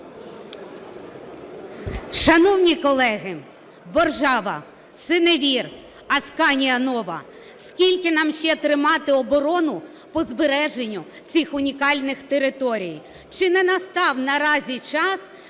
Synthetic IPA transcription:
ʃɐnɔwnʲikɔlˠɛɦɪ | bɔrʒɑʋɐ̰ | sɪneʋʲir | ɐskɑnʲijɐnɔʋɐ̰ | skʲilʲkɪnɑmʃt͡ʃɛt̪ɾɪmɑt̪ɪɔbɔɾɔnʊ | pɔzbeɾɛʒenʲːʊ | t͡sʲixʊnʲikɑlʲnɪxt̪eɾɪt̪ɔɾʲij | t͡ʃɪnɛnɐst̪ɑwnɐɾɑzʲit͡ʃɑs

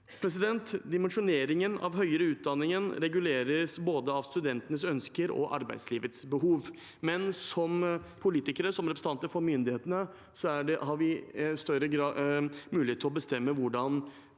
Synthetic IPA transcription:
pʰɾɛs̬ɪd̪ɛnt̪d̪ɪmɛnʂʊneːɾɪŋənɑ̰ʋɦœʏəɾəʉːt̪̚d̪ɑnːɪŋənɾɛɡʉleːɾəsboːd̪əɑʋst̪ʉd̪ɛnt̪ənəsœnskəɾɔ̰ʔɑ̰ɾbæɪd̪sliːʋət̪sbəɦuːʋ | mɛnsɔmpʰʊliːt̪ɪkəɾəsɔmɾɛpɾsəɑnt̪əɾfɔɾmʏnd̪ɪheːt̪ənə | sɔæɖɛɦɑʋɪst̪œɾəɡɾɑmʉːlɪeːt̪ʰːɪlɔbəst̪ɛmːəʋʊɖɑn

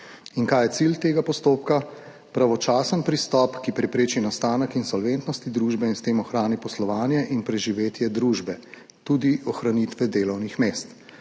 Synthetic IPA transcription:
inkaːjɛt̪silt̪eːɡapɔst̪oːp̚ka | pɾaʋɔt͡ʃaːsənpɾist̪ɔːpkipɾɛpɾeːt͡ʃinast̪aːnəkinsɔlʋent̪nɔst̪id̪ɾuːʒbɛinst̪eːmɔxɾaːnipɔslɔʋaːnjɛʔinpɾɛʒiʋeːt̪jɛd̪ɾuːʒbɛ | t̪uːd̪iʔɔxɾaniːt̪ʋɛd̪eːlɔwnixmeːst̪

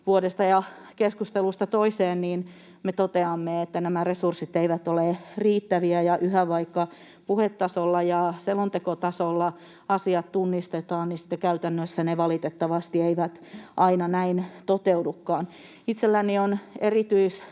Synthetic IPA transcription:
ʋuodest̪ɑjɑ | keskust̪elust̪ɑt̪oiseːnniːn | met̪ot̪eɑmːeet̪ːænæmæresursit̪eiʋæt̪oleriːt̪ːæʋiæjɑʔyhæʋɑikːɑ | puhet̪ːɑsolːɑjɑselont̪ekot̪ɑsolːɑ | ɑsiɑt̪t̪unːist̪et̪ɑːnnisi̥t̪ːekæyt̪ænːøsːæneʋɑlit̪et̪ːɑʋɑst̪ieiʋæt̪ʔɑinɑnæint̪ot̪eudukːɑːn | it̪selːænionerit̪yis

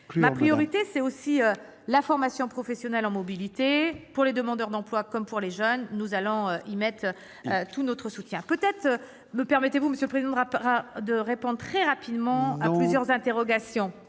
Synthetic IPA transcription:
mapχijɔʁit̪esɛosiø | lafɔʁmasjɔ̃pχɔfɛsjɔnɛlɑ̃mɔbilit̪epuʁled̪əmɑ̃d̪œʁd̪ɑ̃plwakɔmpuʁleʒœnːuzalɔ̃øimɛt̪χ | øt̪unɔt̪χəsut̪jɛ̃pøt̪ɛt̪χ | məpɛʁmet̪evuməsjøləpχezid̪ɑ̃d̪d̪əʁepɔ̃d̪ʁt̪χɛʁapid̪mɑ̃aplyzjœʁzɛ̃t̪eʁɔɡasjɔ̃

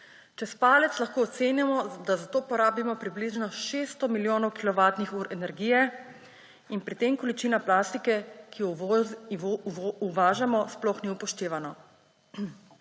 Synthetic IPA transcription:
t͡ʃɛspaːlɛt̪slaxkoːt̪seːnjamɔd̪azat̪oːpɔɾaːbimɔpɾibliʒnɔʃeːst̪ɔmiljoːnɔwkilɔʋaːt̪nixuːɾɛnɛɾɡiːjɛ | inpɾit̪emkɔlit͡ʃiːnaplaːst̪ikɛki | uʋaːʒamɔsplɔxniupɔʃt̪eːʋanɔ

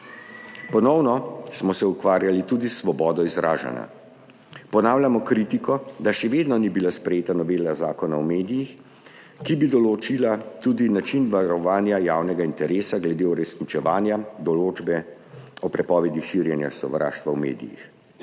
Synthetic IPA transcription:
pɔnɔwnɔsmɔsɛukʋaːɾjalit̪ud̪isːʋɔbɔːd̪ɔizɾaːʒa̰na̰ | pɔnaːwlʲjamɔkɾit̪ikɔd̪aʃɛʋeːd̪nɔnibilaspɾɛjeːt̪anɔʋeːlazaːkɔnaɔmeːd̪ijix | kibid̪ɔlot͡ʃilat̪uːd̪inat͡ʃinʋaɾɔʋaːnjajaːwnɛɡaint̪ɛɾeːsaɡlɛd̪euɾɛsnit͡ʃɛʋaːnjad̪ɔloːd͡ʒbɛ | ɔpɾɛpɔːʋɛd̪iʃiːɾjɛnja̰sɔ̰ʋɾa̰ːʃt̪ʋawmḛːd̪ḭjḭx

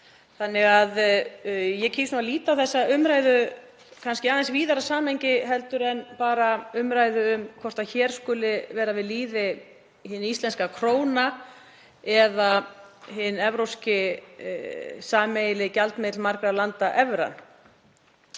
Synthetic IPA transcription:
θanːɪɣað | jɛcʰiːsnumːaliːt̪awθɛsːaʏmɾaːjðʏ | kʰanscɪaːðansviːðaɾasaːmejɲcɪɦɛlt̪ʏɾɛnpaːɾaʏmɾaːjðʏʏmkʰɔr̥t̪aðçɛːɾ̥skʏːlɪvɛːɾavɪðliːðɪ | hɪːnist̪lɛnskakʰɾoːwna | ɛða | ɦɪnɛvɾowscɪ | saːmejlɪcalt̪mɪt̪lmaɾkɾalant̪aʔɛvɾa̰n

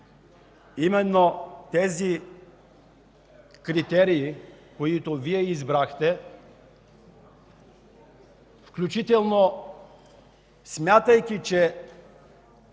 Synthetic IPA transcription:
imɛnːot̪ɛzi | kɾit̪ɛɾiːkoit̪oviɛizbɾaxt̪ɛ | fklʲut͡ʃit̪ɛlˠno | smʲjat̪ɐjkʲit͡ʃɛ

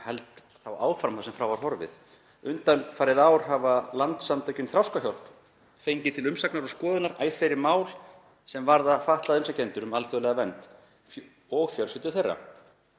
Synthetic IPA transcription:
hɛlt̪ | θawaːwfɾamθawsɛmfɾawvaɾ̥ɦɔɾvɪ̰ð | ʏnt̪annfaːɾɪðaːwɾ̥ɦavalant̪samt̪ʰacʏnθɾawskaçjɔwl̥p | fejɲcɪt̪ʰɪlʏmsaknaɾɔskɔːðʏnaɾa̰ːjr̥fɛɾɪɾmaːwl | sɛmvaɾðafaht̪laðʏmsacent̪ʏɾʏmalθœlɛɣavɛnt̪ | ɔɣfjœlsɪt̪ʏθejrːa̰

